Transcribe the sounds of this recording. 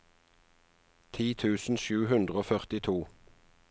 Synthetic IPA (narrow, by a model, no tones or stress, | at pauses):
t̪ʰiːt̪ʰʉːsn̩ʃʉːhʉnd̪ʁəoːfœʁt̪ɪt̪ʰuː